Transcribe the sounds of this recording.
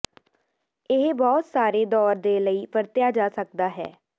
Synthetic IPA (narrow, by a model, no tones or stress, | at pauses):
ɪɦbɔːt̪saːɾeːd̪ɔːɾd̪eːləiːpəɾt̪jaːd͡ʒaːsək̚d̪aːɦɛ̰ː